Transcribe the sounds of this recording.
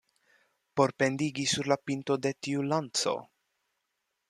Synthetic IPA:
po̞ɾpe̞nd̪iɡisuɾlapint̪o̞d̪e̞t̪iulantso̰

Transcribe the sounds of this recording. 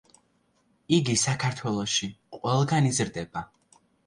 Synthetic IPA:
iɡisakʰaɾt̪ʰwɛlˠɔʃiqʼwɛlˠɡanizɾd̪ɛba

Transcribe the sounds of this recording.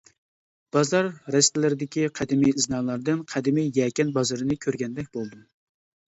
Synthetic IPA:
b̥ɑzɑɾːɛst̪ɪlɪɾɪd̪ɪkʲiqʰæd̪ɪmijznɑlˠɑɾd̪ɨnqʰæd̪ɪmijjɛkʲɛnbɑzɨɾɨnɨkʲʰøɾɡʲɛnd̪ɛk̚ʲbolˠd̪ɨ

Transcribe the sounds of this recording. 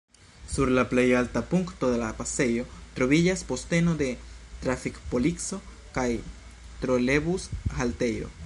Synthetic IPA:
suɾlaple̞jaltapuŋkto̞d̪e̞lapase̞jo̞t̪ɾo̞vid͡ʒaspo̞ste̞no̞d̪e̞tɾafikpo̞likso̞ | kaj | tɾo̞lebushalte̞jo̞̰

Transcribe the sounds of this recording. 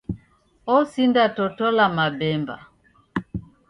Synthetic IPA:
ɔsindatɔtɔlamabɛmba̰

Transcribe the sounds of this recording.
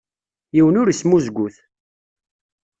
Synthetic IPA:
jiwənʊɾismuzɡʷʊθ

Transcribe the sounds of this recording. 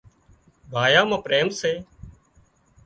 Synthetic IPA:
bʱaːjaːmãːpɾeːmseː

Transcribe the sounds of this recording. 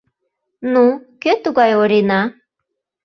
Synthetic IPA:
nukøt̪uɣɑjoɾenɑ

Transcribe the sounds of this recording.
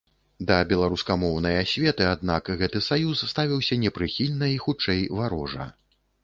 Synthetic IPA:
d̪ɐbʲɛlˠaɾuskɐmɔwnɐjasʲvʲɛt̪ɨad̪̚nakɣɛt̪ɨsajusːt̪avʲiwsʲɐnʲɛpɾɨxʲilʲnɐixut͡ʂɛjvaɾɔʐɐ̰

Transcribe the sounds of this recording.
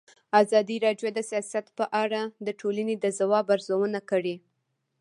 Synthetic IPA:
azɑd̪iɾɑɖjod̪əsijɑsat̪pəʔaɽad̪əʈʰolaned̪əzawɑbaɾzawənakəɽi

